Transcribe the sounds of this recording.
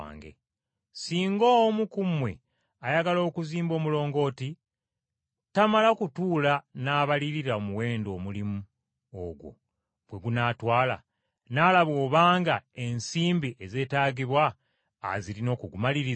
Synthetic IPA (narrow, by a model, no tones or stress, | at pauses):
ŋɡḛ | siːŋɡoːmukumwe̞ | ajaɡalo̞ːkuziːmbo̞ːmulo̞ːŋɡo̞ːti | tamalakutuːlanaːβaliɾiɾaomuwe̞ːndo̞ːmulimu | oɡwo̞̰ | bwe̞ɡunaːtwaːla̰ | naːlaβo̞ːβaːŋɡae̞nsiːmbiʔeze̞ːtaːɡiβwa̰ː | zilino̞ːkuɡumaliɾi